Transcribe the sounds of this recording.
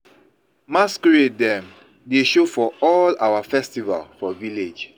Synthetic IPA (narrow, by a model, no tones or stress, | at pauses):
maskɹedɛ̃m | deʃofɔɔlawafɛstiva̰lfɔviled͡ʒ